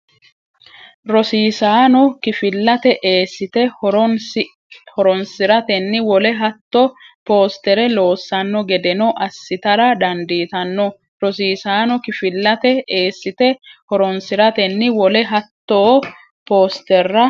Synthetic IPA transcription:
ɾɔsiːsaːnɔkɪfɪlːɐt̪ɛʔeːsːɪt̪ɛ | hɔɾɔnsɪɾɐt̪ɛnːɪwɔlɛɦɐt̪ːɔpoːst̪ɛɾɛlo̞ːsːɐnːɔɡɛd̪ɛnɔʔɐsːɪt̪ɐɾɐd̪ɐnd̪iːt̪ɐnːɔ | ɾɔsiːsaːnɔkɪfɪlːɐt̪ɛeːsːɪt̪ɛhɔɾɔnsɪɾɐt̪ɛnːɪwɔlɛɦɐt̪ːoː | po̞ːst̪ɛrːɐ

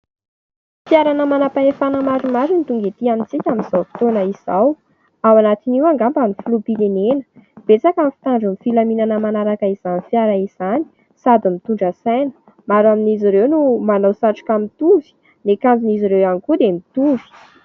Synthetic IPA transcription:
fiaɾanəmanapaefanəmaɾumaɾinit̪uŋɡet̪iamit͡sikʲamizavi̥t̪onəiz̥aw | awanat̪iniwaŋɡampanifulupilenenə̥b̥et͡sakamfi̥t̪aɳɖ͡ʐumfilaminanəmanaɾakaiz̥anifjaɾaiz̥ani̥ | sad̪imit̪uɳɖ͡ʐəsajnə̥ | maɾaminiziɾewnumanawsaʈ͡ʂḁkamit̪uvi̥ | nekand͡ziniziɾewanikud̪emit̪uvi̥

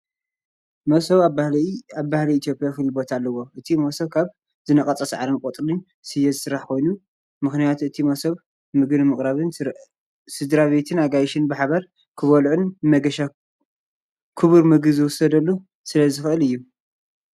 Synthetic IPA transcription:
mɐsɐβ | aβbahliːt̪ʰjo̞pʼjafɨlːɨbo̞t̪ʰalːɐwo̞ʔɨt̪ʰimɐsɐβkʰaβ | zɨnɐkʼɐt͡sʼɐsʕa̰ɾɐmkʼot̪ʼlɨɲ | sɨjɛzɨsɨɾːaħkʰo̞jnu | mɨxnijat̪ɨt̪ʰimɐsɐβ | mɨɡɨnɨmɨχʼɾaβɨn | sɨd̪ɾaβe̞t̪ʰɨnaɡajʃɪnbɨħaβɐɾ | kʰɨβɐlʕunmɐɡɐʃa | kʰɨβɨɾmɨɡɨzɨwʊsɐd̪ɐlːu | sɨlɐzɨxɨʔɨlɨjːu

